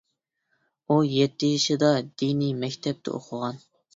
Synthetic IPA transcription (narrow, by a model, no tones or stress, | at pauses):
ujɛt̪ːɪjiʃɪd̪ɑd̪inimɛkʲt̪ʰɛp̚t̪ʰɛ̰o̰qʰʊʁɑn